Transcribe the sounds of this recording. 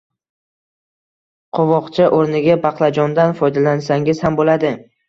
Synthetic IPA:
qʰovɒqt͡ʃʰaʔoɾnɪɡʲabɑqlˠad͡ʒɒnd̪anfɒjd̪alansaŋɪz̥hambolad̪ɪ

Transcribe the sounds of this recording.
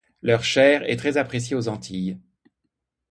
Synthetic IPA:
lœʁʃɛːʁɛ̰t̪χɛzapχes̬jeozɑ̃t̪ʰij

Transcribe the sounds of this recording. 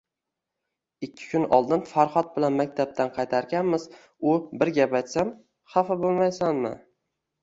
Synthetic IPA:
ɪkʲʰːɪ̥kʰʲʊnɒ̰lˠd̪ɪnfaɾχɒt̪̚bɪlanmak̚ʲt̪ʰap̚t̪ʰanqʰɑjt̪ʰaɾɡʲanmɪz̥ | ʊbɪɾɡʲapajt̪sam | χɑfabolˠmajsanmɪ̰

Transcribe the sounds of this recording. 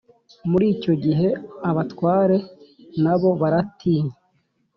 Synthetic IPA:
muɾiːco̞ɟiɦe̞aβatwaːɾe̞naβo̞βaɾatʰiːɲe

